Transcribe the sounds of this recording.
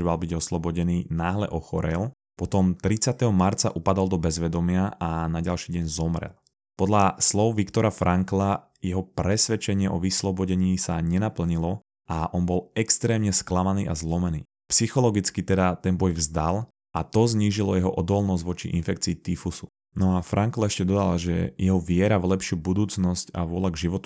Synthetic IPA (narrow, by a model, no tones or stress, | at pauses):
malbiɟɔslɔbɔɟɛniːnaːɦlɛʔɔxɔɾɛl | pɔt̪ɔmt̪ɾit͡sɪat̪ɛɦɔmaɾt͡sa̰ʔupad̪ɔlˠd̪ɔbɛzʋɛd̪ɔmɪaanaɟalʃiːɟɛɲzɔmɾɛ̰l | pɔd̪ʎaslɔʊʋikt̪ɔɾafɾʔaŋkla | jɛɦɔpɾɛsʋɛt͡ʃɛɲɪɛʔɔʋislɔbɔɟɛɲiːsaɲɛnapl̩ɲilɔ | ʔaʔɔnbɔlɛkst̪ɾɛːmɲɛsklamaniːʔa̰zlɔmɛnḭː | psixɔlɔɡit͡skit̪ɛd̪at̪ɛnbɔjvzd̪al | at̪ɔzɲiːʒilɔjɛɦɔʔɔd̪ɔlnɔzɟʋɔt͡ʃḭʔinfɛk̚t͡siːt̪ifusu̥ | nɔafɾʔaŋklaɛʃcɛd̪ɔd̪alʒɛ̰jɛɦɔʋɪɛɾavlɛpʃɪubud̪uːt͡snɔsca̰ʋʊɔlaɡʒiʋɔt̪u̥